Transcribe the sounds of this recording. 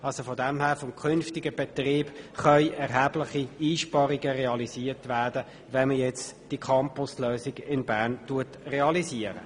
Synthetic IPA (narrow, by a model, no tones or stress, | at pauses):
ɑlsofodɛmhæːʁfɔmkʰʏnftɪɡəb̥etriːb̥χœʏʔɛɾɦæːblɪχiiːʃpɑɾiɡəʁeɑliziːtʋædə | ʋɛnməjɛt͡sd̥ikʰɑmpʊsløːsiɡɪnbæːʁntuətreɑliziːəɾə̰